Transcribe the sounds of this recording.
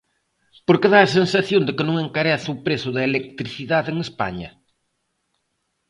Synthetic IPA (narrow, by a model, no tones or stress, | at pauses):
poɾkɪðaːsensaθjond̪ɪkɪnõŋeŋkaɾɛθɪʊpɾesʊðɐelek̚t̪ɾiθiðaðeŋespa̰ɲɐ̰